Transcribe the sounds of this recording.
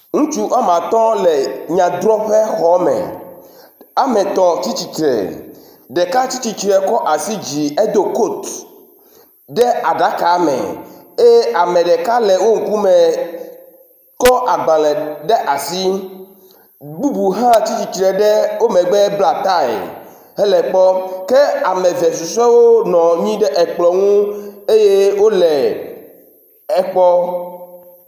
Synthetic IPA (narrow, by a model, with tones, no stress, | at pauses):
ŋũ˦t͡ʃu˦ʔa˦mã˨t̪ɔ̃˦lɛ˨ɲã˨d̪ɾɔ˦ɸɛ˦xɔ˨˦mɛ̰̃˨ | a˦mẽ˨t̪ɔ̃˨t͡ɕi˦t͡ɕi˨t͡ʃɾɛ̰˨ | ɖɛ˨ka˦t͡ɕi˦t͡ɕi˦t͡ʃɾɛ˨kɔ˦ʔa˨si˦d͡ʑi˨e˦d̪o˦ko˦˨t̪ | ɖɛ˦ʔa˨ɖa˨˦ka˨mɛ̰̃˨ | e˦ʔa˨mɛ̃˨ɖɛ˨ka˦lɛ˨wo˦ŋ̩˨ku˦mɛ˨ | kɔ˦ʔa˨ɡ͡ba˨lɛ˨ɖɛ˦ʔa˨si˦ | ɡ͡bu˦bu˨ɦã˦t͡ɕi˦t͡ɕi˨t͡ʃɾɛ˨ɖɛ˦wo˦mɛ̃˨ɡ͡bɛ˦bla˨t̪a˦ḛ˨ | ɦɛ˦lɛ˨k͡pɔ˦ke˦a˨mɛ̃˨vɛ˨s̬u˨sɛ˦wo˦nɔ̃˨ɲĩ˦ɖɛ˦ʔɛ˨k͡plɔ˨ŋũ˦e˦je˦wo˦lɛ˨ | ɛ˨k͡pɔ˦